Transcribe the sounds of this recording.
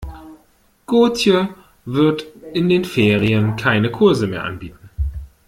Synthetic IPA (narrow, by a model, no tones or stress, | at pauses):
ɡ̥oːtjə | vɪɐtʔɪndeːnfeːʁ̞iənkʰaɪnəkʰʊɐzəmeːɐʔa̰nbiːtn̩